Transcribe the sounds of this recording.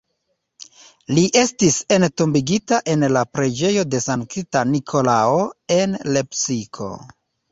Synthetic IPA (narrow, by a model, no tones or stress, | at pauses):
liʔe̞stise̞ntombiɡitaʔe̞nlapɾe̞d͡ʒe̞jo̞desankitanikʰo̞laoe̞nle̞psikʰo̞̰